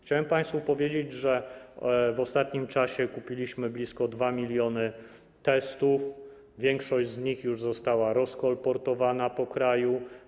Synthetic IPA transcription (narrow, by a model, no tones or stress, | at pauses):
xt͡ɕawɛmpaj̃st̪fupɔvʲjed͡ʑed͡ʑʐɛ | vɔst̪at̪ɲimt͡ʂaɕɛkupʲilʲiɕmɘblʲiskɔd̪vamʲilʲjɔnɘ | t̪ɛst̪uf | vʲjɛŋkʂɔʑd͡ʑzɲixjuʐzɔst̪awaɾɔskɔlpɔɾt̪ɔvanapɔkɾaju